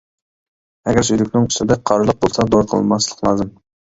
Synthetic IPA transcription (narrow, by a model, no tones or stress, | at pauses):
ɛɡʲæɾsyjlɪkʲnɪŋʰʊ̥sɪd̪ɛqʰɑɾɨlˠəq̚bolˠsɑd̪oɾqʰə̰lˠmɑslˠə̥qlˠɑːzɨm